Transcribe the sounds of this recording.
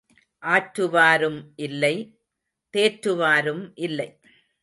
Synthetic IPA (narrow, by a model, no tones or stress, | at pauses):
ʔaːʈɾɯʋaːɾɯmʔɪlːɐɪ | t̪eːʈɾɯʋaːɾɯmʔɪlːɐɪ